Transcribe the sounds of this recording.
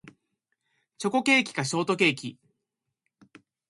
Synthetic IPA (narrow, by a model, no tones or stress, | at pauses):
t͡ɕo̞ko̞ke̞ːkʲi̥kaɕo̞ːt̪o̞ke̞ːkʲi